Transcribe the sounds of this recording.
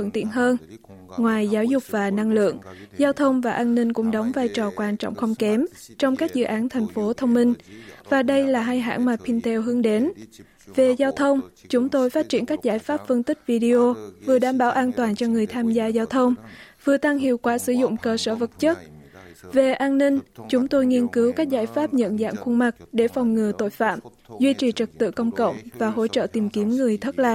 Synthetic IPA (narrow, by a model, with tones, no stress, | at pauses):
fə̰˧˨nt̪ḭ˧˨ənɦəː˧nŋwaː˨˩jzaː˨˦wzʊ˨˩k͡p̚vaː˨˩na˧ŋlɨ̰˧˨əŋzaː˧wt̪ʰə˧wŋ͡mvaː˨˩ʔaː˧nːï˧ŋ̟kʊ̰˧˥ŋ͡mɗə˨˦wŋ͡mvaː˧jt͡ɕɔ˨˩kwaː˧˩nt͡ɕɔ̰˧˨wŋ͡mxə˧wŋ͡mkɛ˨˦mt͡ɕɔ˧wŋ͡mkaː˦˥k̚zɨ̰˧˨ʔaː˨˦nt̪ʰɛ˨˩jŋ̟fo˨˦t̪ʰə˧wŋ͡mmï˧ŋ̟vaː˨˩ɗə˧jlaː˨˩ɦaː˧jɦa̰ː˧˥nmaː˨˩pʰi˧nt̪ɛ˧wɦɨ˨˦əŋɗe˨˦n | ve˨˩zaː˧wt̪ʰə˧wŋ͡mt͡ɕʊ˨˦ŋ͡mt̪o˧jfaː˦˥t̚t͡ɕḭ˧˩ənkaː˦˥k̚zaː˧˩jfaː˦˥p̚fə˧nt̪ï˦˥k̚vi˧ɗi˧o˧vɨ˨˩əɗaː˧˩mɓaː˧˩˦wʔaː˧nt̪waː˨˩nt͡ɕɔ˧ŋɨ˨˩əjt̪ʰaː˧mzaː˧zaː˧wt̪ʰə˧wŋ͡mvɨ˨˩ət̪a˧ŋɦḭ˧˨əwkwaː˧˩sɨ˧˦zʊ̰˧˨ŋ͡mkəː˧səː˧˩və˨˩t̚t͡ɕə˦˥t̚ve˨˩ʔaː˧nnï˧ŋ̟t͡ɕʊ˨˦ŋ͡mt̪o˧jŋi˧ənkɨ˨˦wkaː˦˥k̚zaː˧˩jfaː˦˥p̚ɲə̰˧˨nza̰ː˧˨nxwə˧nma˨˩k̚ɗe˧˩fa˨˩wŋ͡mŋɨ˨˩ət̪o̰˧˨jfa̰ː˧˨m | zwi˧t͡ɕi˨˩t͡ɕɨ˨˩k̚t̪ɨ̰˧˨kə˧wŋ͡mkə̰˧˨wŋ͡mvaː˨˩ɦo̰˧˥t͡ɕə̰ː˧˨t̪i˨˩mki˨˦əmŋɨ˨˩əjt̪ʰə˦˥t̚laː˨˩